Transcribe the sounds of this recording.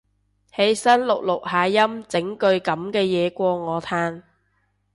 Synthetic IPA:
he˨˥jsɐ˥nlʊ˨k̚lʊ˨k̚haː˨˧jɐ˥mt͡sɪ˨˥ŋkɵ˧ɥkɐ˨˥mkɛː˧jɛː˨˧kʷɔː˧ŋɔː˨˧t̪ʰaː˧n

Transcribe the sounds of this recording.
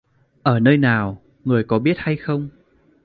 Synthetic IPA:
ʔəː˧˩nəː˧jnaː˨˩w | ŋɨ˨˩əjkɔ˨˦ɓi˦˥ət̚ha˧jxə˧wŋ͡m

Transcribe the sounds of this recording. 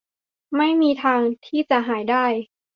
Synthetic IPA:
ma˥˩jmiː˧t̪ʰaː˧ŋt̪ʰiː˥˩t͡ɕa˨˩ɦaː˩˦jdaː˥˩j

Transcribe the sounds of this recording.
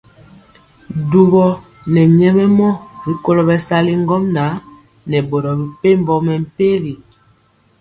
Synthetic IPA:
du˨bɔ˦˨ | nɛ˨ɲɛ˦mɛ˦mɔ˦ɾi˨ko˦lɔ˨bɛ˨sa˦li˦ŋ˦ɡɔ˦mna˨˦ | nɛ˨bo˨ɾɔ˨bi˨pe˦m˦bɔ˦mɛ˨m̩˨˦pe˦ɾi˨

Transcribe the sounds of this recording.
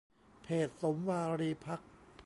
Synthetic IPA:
pʰeː˨˩t̪̚so˩˦mwaː˧ɾiː˧pʰa˦˥k̚pʰ

